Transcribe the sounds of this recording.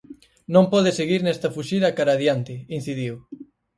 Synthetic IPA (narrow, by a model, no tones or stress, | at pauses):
nõmpɔðeseɣiɾnɛst̪ɐfuʃiðakaɾaðjant̪ɪin̟θiðiw